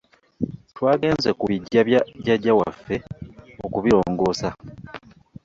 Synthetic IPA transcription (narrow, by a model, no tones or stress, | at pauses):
twaːɡe̞ːnze̞kuβiɟːaɟaɟːawa̰fːe̞okuβiɾo̞ːŋɡo̞ːsa